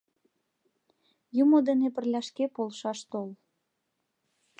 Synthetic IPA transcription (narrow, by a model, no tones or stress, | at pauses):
jumod̪enepə̆rlʲɑʃkepolʃɑʃt̪ol